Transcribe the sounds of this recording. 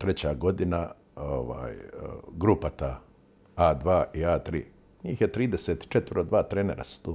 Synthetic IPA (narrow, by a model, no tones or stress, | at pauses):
t̪ɾet͡ɕaɡo̞d̪ina | oʋa̰ːjɡɾupat̪a | aːd̪ʋaːʔiaːt̪ɾḭː | ɲiːxjet̪ɾiːd̪eset̪t͡ʃet̪ʋɾod̪ʋaːt̪ɾeːneɾa̰su̥t̪uː